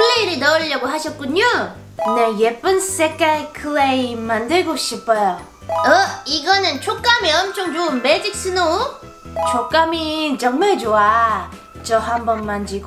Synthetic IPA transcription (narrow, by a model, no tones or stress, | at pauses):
kɯɭːeiɾinʌɯʎːʌɡoɦaɕʰʌt̚k͈uɲo | nejep͈ɯnss͈ek͈aekʰɯɭemandɯɭɡoɕ͈ʰip͈ʰʌjo | ʌiɡʌnɯnt͡ɕʰok͈amiʌmt͡ɕʰoŋd͡ʑounmed͡ʑik̚s͈ɯno | t͡ɕʰok͈amit͡ɕʌŋmaɭd͡ʑoa | t͡ɕʌɦambʌnmand͡ʑiɡo